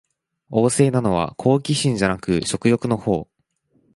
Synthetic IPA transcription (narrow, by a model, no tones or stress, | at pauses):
o̞ːse̞ːnano̞β̞a̰kʰo̞ːkʲiɕĩɲ̟d͡ʑanakɯ̟ɕo̞kɯ̟jo̞kɯ̟no̞ho̞ː